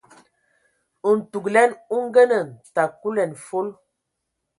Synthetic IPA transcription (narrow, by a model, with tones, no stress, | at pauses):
u˨n̩˨tu˨klɛ˦nu˦ŋ˦ɡə˦nə˨n̩˨ta˨ku˦lɛ˨nfo˦l